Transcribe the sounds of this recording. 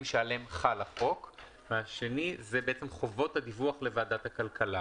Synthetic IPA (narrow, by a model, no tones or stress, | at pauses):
ʃaale̞mχalaχo̞k | veaʃe̞nizebeet͡semχo̞vo̞thad̪ivuaχle̞vaːd̪athakalkʰala